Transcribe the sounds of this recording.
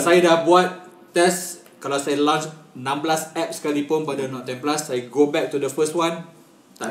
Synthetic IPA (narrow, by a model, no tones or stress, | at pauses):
ansajədabuat̪̚ | t̪ɛs | kalawsajlɔ̃nt͡ʃnãmblasɛp̚skalipʊ̃npadanɔ̃nt̪ɛ̃nplasːajɡobɛk̚t̪udəfəst̚wãn | t̪a